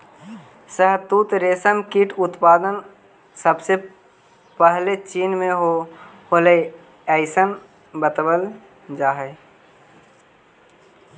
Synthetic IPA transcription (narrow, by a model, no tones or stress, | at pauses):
səɦt̪uːt̪ɾeːsəmkiʈʰʊt̪paːd̪ən | səbse | pəɦlet͡ʃiːnmẽɦohole | ɛɪsən | bət̪bəl | d͡ʒaːɦe